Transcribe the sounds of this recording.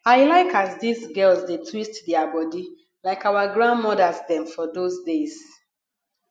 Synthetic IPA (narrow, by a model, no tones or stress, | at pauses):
aɪlaɪkazdizɡɛlzdetʰwistdiabɔdi | laɪkawaɡɹãndmɔdazdɛ̃mfɔdozdez